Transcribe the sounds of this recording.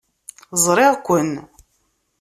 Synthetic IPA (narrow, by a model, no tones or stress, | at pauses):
zˤɾˤɪʁkʷːən